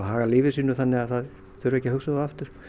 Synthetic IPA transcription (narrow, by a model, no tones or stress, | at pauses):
ɦaːɣaliːvɪsiːnːʏθanːɪaðθað | θʰœɾʏɛhcːɪɦʏksaðaft̪ʏɾ̥